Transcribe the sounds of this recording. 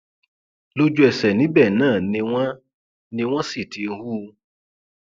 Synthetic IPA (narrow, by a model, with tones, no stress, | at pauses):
lo˦d͡ʒu˦ɛ˨sɛ˨nĩ˨˦bɛ˦˨nãː˦˨nĩ˧wɔ̃˦ | nĩ˧w̃ɔ̃˦si˦˨ti˨n̩˧hu˦